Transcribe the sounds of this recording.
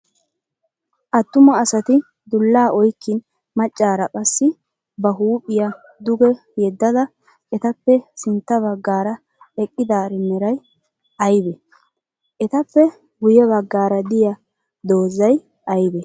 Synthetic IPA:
ʔɐt̪ːʊmɐːsɐt̪ɪ | d̪ʊlːaːʔɔjkːɪn | mɐt͡ʃʼːaːɾɐkʼɐsːɪ | bɐɦuːpʼːɪjɐ | d̪ʊɡɛ | jɛd̪ːɐd̪ɐ | ʔɛt̪ɐpːɛsɪnt̪ːɐβɐɡːaːɾɐ | ɛkʼːɪd̪aːɾɪmɛɾɐj | ʔɐjbɛ | ʔɛt̪ɐpːɛ | ɡʊjɛβɐɡːaːɾɐd̪ɪjɐ | d̪o̞ːzɐj | ʔɐjbɛ

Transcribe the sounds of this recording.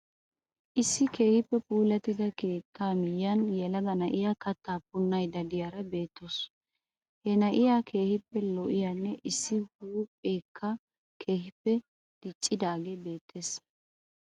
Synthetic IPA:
ʔɪsːɪke̞ːhɪpːɛpuːlɐt̪ɪd̪ɐkeːt̪ʰːaːmɪjɐnjɛlɐɡ̪ɐnɐʔɪjaːkɐt̪ːaːpʊnːɐjd̪ɐd̪ɪjaːɾɐbe̞ːt̪ːos | hɛnɐʔɪjakʰe̞ːhɪpːɛlɔʔɪjanːɛʔɪsːɪhuːpʼeːkʰːa | kʰe̞ːhɪpːɛ | d̪̥ɪt͡ʃʼːɪd̪aːɡebe̞ːt̪ʰːe̞ːs

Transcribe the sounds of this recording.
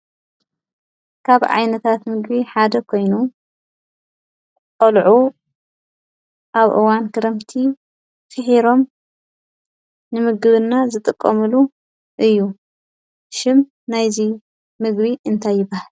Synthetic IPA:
kʰaβʕa̰jnɐt̪ʰat̪mɨɡbiħad̪ɐkʰo̞jnu | kʼɐlʕu | ʔaβʔɨ̰wankʰɨɾɐmt̪ʰi | t̪ɨħiɾo̞m | nɨmɨɡɨβɨnːazɨt̪ʼɨkʼːɐmɨlu | ʔɨjːu | ʃɪm | najzi | mɨɡβiʔɨnt̪ʰajːɪbahal

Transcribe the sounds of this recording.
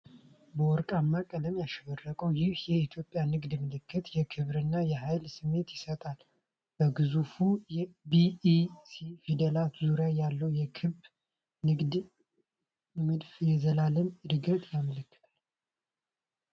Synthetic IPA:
bəwɔɾkʼamːakʼəd̪əmjaʃɛβərːəkʼəwjɪhjɛit̪ʰjo̞pʼːjanɨɡd̪mɨlɨkʰːɨt̪jɛkʰɨβɾɨnːajɛɦajlsɨmːe̞t̪jɪsət̪ʼal | b̥əɡɨzufujɛbisifid̪əlat̪zuɾjajalːəwjɛkʰɨb | nɨɡd̪ | mɨd̪fjɛzəlaləmɨd̪ɨɡət̪ʼjamələkːɨ̥t̪ʰḁl

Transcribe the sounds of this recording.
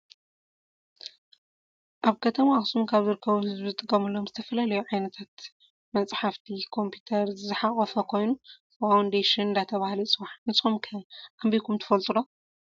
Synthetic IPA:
ʔaβkʰɐt̪ʰɐmaxsumkʰaβzɨɾɨkʰːɐβuhɨzbzɨt̪ʼɨkʼːɐmɨlːomzɨt̪ʰɐfɐlalɐjuʕajnɐt̪ʰat̪ | mɐnt͡sʼħaft̪ʰikʰo̞mpʰit̪ʰɐɾzzɨħaχʼɐfɐkʰo̞jnufawnd̪eʃɪnɨnd̪at̪ʰɐβahlisʼɨβaħnsxomkʰɐʔambikʰumt̪ʰɐ̥fɐlt̪ʼɨlo

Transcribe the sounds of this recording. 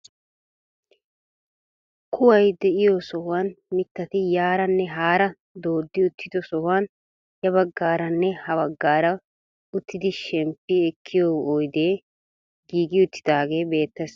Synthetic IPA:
kʰʊwɐjd̪ɛʔɪjosɔhʊwaːnmɪt̪ːɐt̪ɪjaːɾɐnːɛɦaːɾɐ | d̪o̞ːd̪ːɪʊt̪ʰːɪd̪ɔsɔhʊwaːn | jɐbɐɡːaːɾɐnːɛhɐbɐɡːaːɾɐ | ʊt̪ːɪd̪ɪʃɛmpːɪɛkʰːɪjoojd̪eː | ɡiːɡɪʊt̪ʰːɪd̪aːɡe̞ːbe̞ːt̪ːɛs

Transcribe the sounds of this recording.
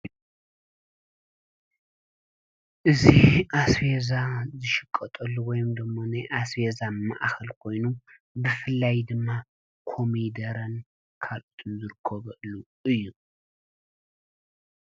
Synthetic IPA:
ʔɨziʔasfezazɨʃɨkʼːɐt̪ʼɐlːuwɔjɨmd̪ɨmːonajʔasfezama̰ʔxɐlkʰo̞jnu | bɨfɨlːajd̪ɨmːa | kʰo̞mid̪ɐɾɐn | kʰalʔut̪ʰɨnzɨɾɨkʰːɐβɐʔlu | ʔɨjːu

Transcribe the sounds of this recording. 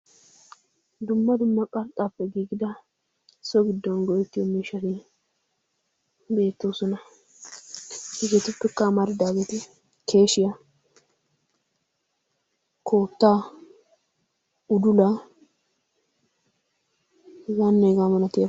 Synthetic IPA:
d̪ʊmːɐd̪ʊmːɐkʼɐlt̪ʼːapːɛɡiːɡɪd̪ɐ | sɔɡɪd̪ːɔnɡɔjɛt̪ːɪjɔmiːʃːɐt̪ɪ | be̞ːt̪ːoːsɔnɐ | hɛɡeːt̪ʊpːɛkːɐmɐɾɪd̪aːɡeːt̪ɪ | kʰe̞ːʃɪjɐ | kʰo̞ːt̪ːaː | ʊd̪ʊlɐ | wɐnːeɡamɐnɐt̪e

